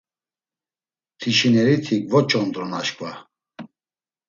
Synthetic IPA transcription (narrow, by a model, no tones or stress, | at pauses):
t̪ʰiʃinɛɾit̪ʰikvɔt͡ʃʼɔnd̪ɾɔnaʃkʼva